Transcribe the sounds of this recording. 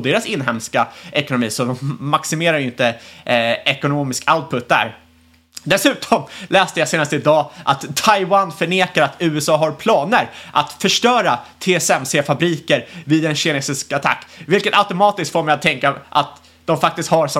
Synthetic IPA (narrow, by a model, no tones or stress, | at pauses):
d̪eːɾasɪnːɦɛmskaʔɛkʊnʊmḭːsɔd̪ɔmːaksɪmeːɾaɾjʏɪnt̪ə | ɛkʊnoːmɪskaʊt̪̚pʰɵt̪̚d̪æ̰ɾ | d̪ɛsʉ̟ːt̪ʰɔmlɛːst̪əjaseːnast̪əɪd̪ɑːʔat̪t̪ʰːajwanfœɳeːkaɾat̪ʰʉ̟ːɛsɑːɦaɾpʰlɑːnəɾʔa̰t̪fœʂʈœːɾat̪ʰeːɛsɛmseːfabɾiːkəɾvɪd̪ɛnɕɛneːsɪskat̪ʰa̰kːvɪlkət̪aʊt̪ʊmɑːt̪ɪst̪foːɾmɛɪjat̪ʰːɛŋkaʔa̰t̪ | d̪̥ɔmfak̚t̪ɪst̪haɾsɔ